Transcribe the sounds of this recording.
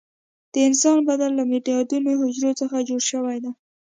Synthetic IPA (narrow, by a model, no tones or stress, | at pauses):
d̪̥əɪnsɑnbad̪alːamiʈijɑd̪unoɦʊd͡ʒɾot͡səxad͡ʒoɽʃəwajd̪a